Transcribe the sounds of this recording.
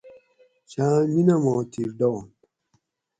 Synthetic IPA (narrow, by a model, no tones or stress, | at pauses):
t͡ʃãɲinamɔtʰiɾdɔ